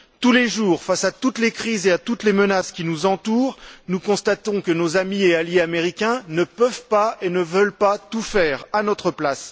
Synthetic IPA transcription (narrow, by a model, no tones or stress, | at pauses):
t̪uleʒuːʁfasat̪ut̪lekχizeat̪ut̪lemənaskʲinuzɑ̃t̪uːʁnukɔ̃st̪at̪ɔ̃kənozamiealjeameʁikʲɛ̃nəpœvpaenəvəlpat̪ufɛːʁanɔt̪χəplas